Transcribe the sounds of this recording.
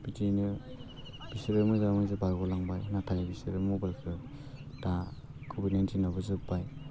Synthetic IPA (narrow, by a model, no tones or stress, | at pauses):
b̥itinɯ | b̥isɾɯmɯzamɯjzɯbaɾɡɔlaŋbajnatʰajabisɯɾɯmobalkʰɾɯ | d̥a | kʰɔbinentʰinɔbɯzɯbaj